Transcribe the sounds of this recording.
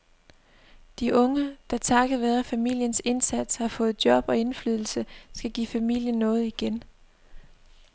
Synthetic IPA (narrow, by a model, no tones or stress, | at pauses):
d̥iʔɔ̽ŋəd̥ɑ̈t͡sʰɑ̈ɡ̥ɐʋæðˠɐfæmil̰jənse̝nsæd̥shɑ̈fɔ̽ːð̞̩ˠd̥jɒ̽b̥ɒ̽e̝nflyːð̞ˠl̩səsɡ̥æɡ̥ḭfæmil̰jənːɔ̽ːð̞̩ˠiɡ̥en